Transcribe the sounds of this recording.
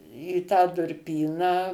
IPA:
iː tɑː dʊrʲˈpʲiːnɑː

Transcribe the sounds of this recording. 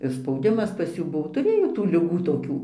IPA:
ɪr spɐʊˈdʲɪmɐs pɐs ˈjuː ˈbʊʋoː tʊˈrʲeːjoː tuː lʲɪˈɡuː toːˈkʲuː

